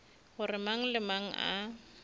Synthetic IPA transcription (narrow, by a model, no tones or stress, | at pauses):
ɣʊrɪmaŋ̩lɪmaŋ̩ʔa̰